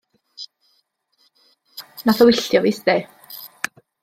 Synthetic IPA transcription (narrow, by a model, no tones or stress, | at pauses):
naθɔwɪɬjɔviːsd̪eː